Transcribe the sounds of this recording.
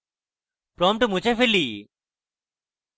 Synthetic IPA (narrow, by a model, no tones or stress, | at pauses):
pɾɔmʈumut͡ɕefeli